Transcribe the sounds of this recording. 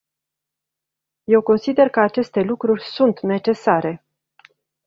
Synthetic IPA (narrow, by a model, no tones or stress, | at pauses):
je̞wko̞nsid̪e̞rkəat͡ʃe̞st̪e̞lukɾurʲsunt̪ne̞t͡ʃe̞saɾe̞